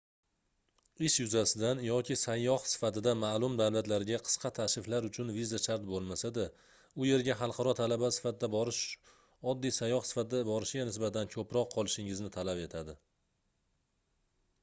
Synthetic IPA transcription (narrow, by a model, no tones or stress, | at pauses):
ɪʃjʊzasɪd̪anjɒkʲʰɪsajːɒhsɪ̥fat̪ɪd̪amalˠʊmd̪awlat̪laɾɪɡʲaqʰɨ̥sqʰɑt̪ʰaʃɾɪflaɾʊt͡ʃʰʊnvizaʃaɾt̪̚bolˠmasad̪a | ʊje̞ɾɡʲaɦɑlˠqʰɑɾɒt̪ʰalabasɪ̥fat̪ɪd̪aɾɪʃ | ɒd̪ːijsajːɒhsɪ̥fat̪ɪd̪abɒɾɪʃɪɡʲanɪsbat̪ankʰɵpɾɒqʰːɒlˠɪʃɪŋɪznɪt̪ʰalape̞t̪ʰad̪ɪ